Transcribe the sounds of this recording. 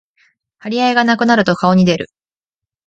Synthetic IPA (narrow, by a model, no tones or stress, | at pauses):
haɾʲiaeɡanakɯ̟naɾɯ̟t̪o̞kao̞ɲ̟id̪e̞ɾɯ̟